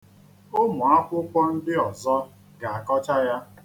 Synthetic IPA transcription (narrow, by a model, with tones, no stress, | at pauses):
o˦mʊ˨a˦kʷʊ˦kʷɔ˦n̩˦dɪ˦ɔ˨zɔ˦ | ɡa˨a˨kɔ˦t͡ʃa˦ja˦